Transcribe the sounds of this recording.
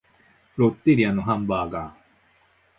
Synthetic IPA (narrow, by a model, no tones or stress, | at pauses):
ɾot̪ːiɾianuɦambaːɡaː